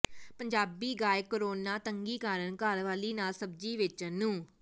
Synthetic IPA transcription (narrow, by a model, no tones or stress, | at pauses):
pəɲd͡ʒaːbiːɡaːekəɾoːnaːt̪əŋɡiːkaːɾənkalʋaːliːnaːlsəbd͡ʒiːʋɪt͡ʃnũː